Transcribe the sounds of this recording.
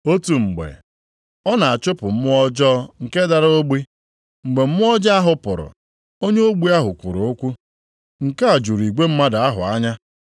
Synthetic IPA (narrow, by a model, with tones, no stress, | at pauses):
o˦tu˨ŋ͡m̩˨ɡ͡bḛ˨ | ɔ˦na˨a˨t͡ʃʊ˦pʊ˨m̩˦mʊ˦ɔ˦d͡ʒɔ˦ŋ̩˨ke˦da˨ɾo˦ɡ͡bi˦ | ŋ͡m̩˨ɡ͡be˨m̩˦mʊ˦ɔ˦d͡ʒa˦a˦ɦʊ˨pʊ˨ɾʊ̰˨ | o˦ɲe˦o˦ɡ͡bu˦a˦ɦʊ˨kʷʊ̰˨ɾʊ˨ʊ˦kʷu˦ | ŋ̩˨ka˦a˨d͡ʒu˨ɾi˨ɡ͡be˦m̩˦ma˦da˨a˦ɦʊ̰˨a˦ɲa˦